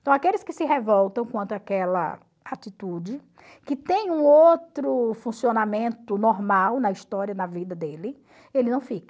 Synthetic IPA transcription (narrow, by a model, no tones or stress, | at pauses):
ẽt̪ɐ̃w̃akelɪskɪsɪɦevɔwt̪ɐ̃w̃kwɐ̃nt̪ʊakɛlɐ̰ | at̪it̪ud͡ʒɪ | kɪt̪ẽj̃ũowt̪ɾʊfũsionamẽnt̪ʊnɔɾmawnɐiʃt̪ɔɾiɐnɐvid̪ɐd̪elɪ | elɪnɐ̃w̃fikɐ̥